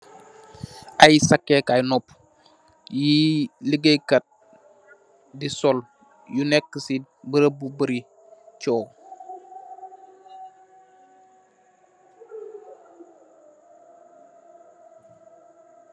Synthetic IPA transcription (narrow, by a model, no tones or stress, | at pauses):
ʔajsakːɛkajnɔp | jiləɡəjkɐt̚ | disɔl | junɛkːəsi | bəɾəbubəɾi | t͡ʃɔː